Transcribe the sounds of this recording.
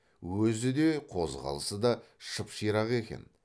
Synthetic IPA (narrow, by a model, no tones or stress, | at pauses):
wɵzɪd̪e̞qʰo̞zʁɑ̰lˠəsəd̪ɑʃəpʃijɾɑʁe̞kʲe̞̰n